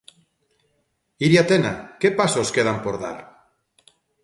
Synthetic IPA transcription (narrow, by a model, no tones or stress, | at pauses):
iɾjat̪ena̰kepasoskeð̞ampoɾða̰ɾ